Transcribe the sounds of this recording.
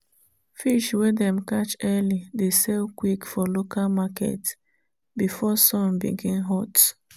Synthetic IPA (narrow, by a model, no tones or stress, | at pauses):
fiʃwedɛ̃m̩kat͡ʃɛlidesɛlkwikfɔlokʰalmakɛ̰t | bifɔsɔ̃nbḭɡĩnɦɔt